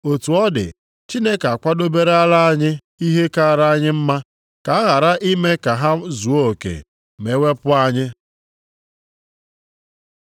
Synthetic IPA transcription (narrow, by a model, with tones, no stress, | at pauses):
o˨tu˨ɔ˦dɪ̰˨ | t͡ʃi˦ne˦ka˨kʷa˦do˦be˦ɾe˦a˦la˦a˦ɲɪ˦ | i˦ɦe˦ka˦˨ɾa˦a˦ɲɪ˦m̩˦ma˦ | ka˨a˦ɣa˨ɾa˦ʔi˦me˦ka˨ɦa˦zu˨o˦˨kḛ˨ | me˨˦we˦pʊ˦a˦ɲɪ˦